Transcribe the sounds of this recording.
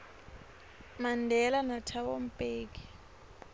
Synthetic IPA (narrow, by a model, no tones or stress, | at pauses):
mandʱɛlanatʰaɓom̩pʼeːk̬i̥